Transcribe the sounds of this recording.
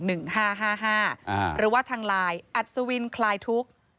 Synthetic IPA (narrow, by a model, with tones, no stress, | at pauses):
nɯ˨˩ŋhaː˥˩ɦaː˥˩ɦaː˥˩˧ɾɯː˩˦waː˥˩t̪ʰaː˧ŋlaː˧jʔa˨˩t̪̚su˧wi˧nkʰlaː˧jt̪ʰu˦˥k̚